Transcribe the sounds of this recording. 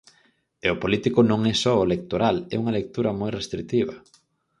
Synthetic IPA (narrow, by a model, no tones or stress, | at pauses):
eopolit̪ikʊnõŋɛsɔoelek̚t̪oɾalɛ̰uŋɐlek̚t̪uɾɐmojrest̪ɾik̚t̪iβɐ